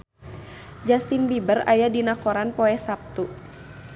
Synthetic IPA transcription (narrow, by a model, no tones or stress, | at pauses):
d͡ʒast̪inbibəɾa̰jadinakɔɾanpɔɛsap̚t̪u